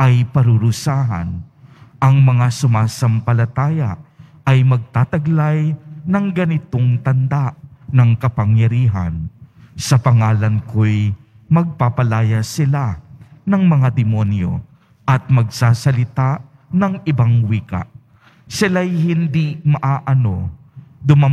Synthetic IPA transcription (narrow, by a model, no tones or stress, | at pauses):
ʔɐjpɐɾʊɾʊsaːɦɐ̰nʔɐŋmɐŋasʊmaːsɐmpɐlɐt̪aːjɐ | ɐjmɐɡ̚t̪aːt̪ɐɡlajnɐŋɡɐnɪt̪oŋt̪ɐnd̪aʔnɐŋkɐpɐŋjɐɾiːɦɐ̰nsɐpɐŋaːlɐnkoj | mɐɡ̚papɐlaːjɐsɪlanɐŋmɐŋad̪ɪmonjo̰ | ʔɐt̪̚mɐɡ̚saːsɐlɪt̪a | nɐŋɪbaŋwiːkɐ̰ʔ | sɪlajhɪnd̪imɐʔaːʔɐno | d̪ʊma